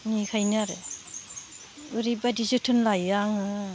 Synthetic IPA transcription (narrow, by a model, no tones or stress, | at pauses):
nikʰajnaɾɯ | ɯɾibadizɯtʰɯnlajaŋɯ